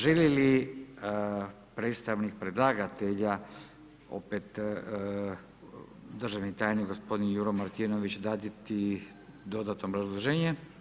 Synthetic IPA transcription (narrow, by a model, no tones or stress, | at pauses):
ʒelili | pɾet̪st̪aʋnik̚pɾed̪lˠaːɡat̪eʎa | o̞̰pet̪ | d̪ərʒaʋnit̪aːjniɡo̞spo̞d̪injuɾomaɾt̪ino̞ʋit͡ɕd̪aːd̪it̪i | d̪o̞d̪at̪nomɾazlˠoʒeːɲe